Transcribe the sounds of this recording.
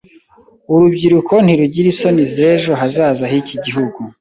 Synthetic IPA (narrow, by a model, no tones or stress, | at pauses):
uɾubɟiɾukʰo̞n̥hiɾuɟiɾiso̞nizeʒo̞ɦazaːzaɦiciɟiɦuɡu